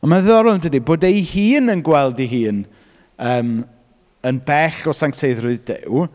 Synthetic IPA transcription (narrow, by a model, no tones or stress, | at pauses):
ɔnmaðɔɾʊndədiboːdejhiːnənɡwɛlˠdiɦiːn | əːm | ənbɛɬɔsaŋktʰeɨðrʊɨðdɪ̰w